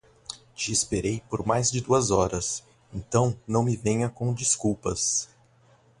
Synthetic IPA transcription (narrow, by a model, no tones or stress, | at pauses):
d͡ʒiːspeɾejpoɾmajzd͡ʒɪd̪uɐzɔɾɐs | ẽnt̪ɐ̃w̃nɐ̃w̃mɪvẽɲɐkõd͡ʒiskuwpɐs